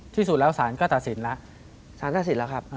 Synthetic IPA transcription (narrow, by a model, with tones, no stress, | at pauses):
t̪ʰiː˥˩su˨˩t̪̚lɛː˦˥wsaː˩˦nkɔː˥˩t̪a˨t̪̚si˨˩˦nla˦˥ʔ | saː˨˦nt̪aː˧˩si˩˦nlɛː˦˥wkʰa˦˥p̚ː